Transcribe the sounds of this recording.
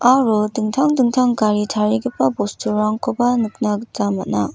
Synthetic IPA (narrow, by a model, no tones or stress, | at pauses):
aɾudɯŋtʰaŋdɯŋtʰaŋkaɾit͡ɕʰaɾiɡepabostʰɯɾaŋkʰobanɯk̚naɡɯt͡ɕamanːa